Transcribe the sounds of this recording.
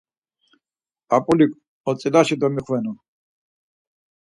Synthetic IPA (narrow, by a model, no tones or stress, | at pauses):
apʼulikʼ | ɔt͡s̪ʼilaʃid̪ɔmiχvɛnɔ